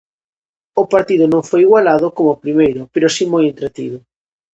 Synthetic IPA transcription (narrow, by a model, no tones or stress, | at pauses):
ʊpaɾt̪iðʊnõŋfojiɣwalaðʊkomʊpɾimejɾʊpeɾʊsimojent̪ɾet̪iðʊ